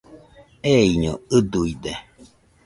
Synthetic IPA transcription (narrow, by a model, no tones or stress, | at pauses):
eiɲoɨd̪uid̪e